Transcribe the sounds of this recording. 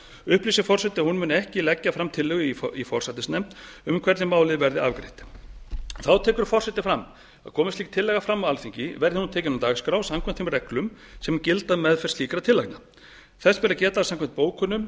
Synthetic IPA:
ʏhpliːsɪfɔr̥sɛt̪ɪahunmʏnɛhcɪlɛcːafɾamt̪ʰɪlːʏɣʏiifɔr̥sat̪ɪsnɛmt̪ʏmkʰv̥ɛɾt̪nɪmaːwlɪðvɛɾðɪa̰vkɾḛht̪ | θawt̪ʰɛːkʏɾ̥fɔr̥sɛht̪ɪfɾamː | a̰kʰɔːmɪsiːk̚t̪ʰɪlːɛɣafɾamːawalfiɲcɪvɛɾðɪhunt̪ʰɛːcɪnʏmt̪aːɣskɾawsamkʰɛm̥t̪fimrɛklʏm | sɛmcɪlt̪aðmɛðfɛ̥siːkɾat̪ʰɪlːakna | θɛsvɛːɾacɛːt̪aːsamkʰɛmt̪̚poːwkʰʏnːʏm

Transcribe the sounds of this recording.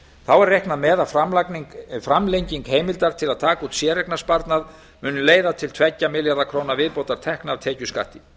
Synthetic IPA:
θawɛɾrehknaðmɛːðafɾamlanfɾamlejɲciŋkɦeːjmɪlt̪aɾ̥t̪ʰɪlaðt̪ʰaːkaut̪sjɛːɾɛknaspaɾt̪nað | mʏːnʏmleːjðat̪ʰɪlt̪ʰvɛcːamɪljaɾðakʰɾoːwnavɪðpoːwt̪aɾ̥t̪ʰɛhknavt̪ʰɛːcʏska̰ht̪ɪ

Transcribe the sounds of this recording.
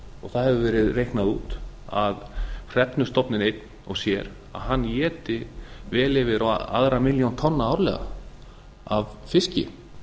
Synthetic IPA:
ɔɣθaðhɛvʏvɛːɾɪðrejhknaðuːt̪ | a̰ðr̥ɛt̪nʏst̪ɔpnɪnejt̪n | ɔɣsjɛːɾ | a̰ðɦanːjɛːt̪ɪvɛːlɛvɪɾaw̰a̰ðɾamɪljawnt̪ʰɔnːaawɾlɛ̰ːɣa̰ | avfɪscɪ̰

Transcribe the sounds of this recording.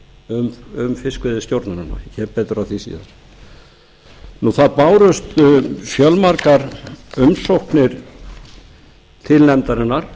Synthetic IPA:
ʏmʏmfɪskvɪðɪst̪jowɾt̪naɾʏna̰çɛɾpɛːt̪ɾaθisḭːða̰ɾ̥ | nuθaðpaːwɾʏst̪fjœlmaɾkaɾʏmsowhknɪɾ̥ | t̪ʰɪlnɛnt̪aɾɪnːaɾ̥

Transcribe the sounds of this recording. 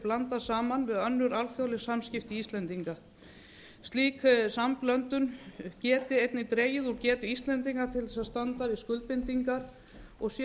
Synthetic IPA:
plant̪asaːmanvɪðœnːʏɾalθjawlɪsamscɪft̪iist̪lɛnt̪iŋka | st̪liːksamklœnt̪ʏncɛːt̪ɪejt̪nɪt̪ɾeːjɪðuɾcɛːt̪ʏist̪lɛnt̪̬iŋkat̪ʰɪlɛsaðst̪ant̪aɾiskʏlt̪̚pɪnt̪iŋkaɾ̥ | ɔɣs

